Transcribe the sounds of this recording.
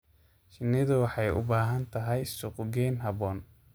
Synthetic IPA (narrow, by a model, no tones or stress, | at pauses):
ʃɪnːɪðʊwɑħɑjʊ̰baːɦɐnt̪ʰɐɦɛjsʊqʊɡɛːnɦɐβɔːn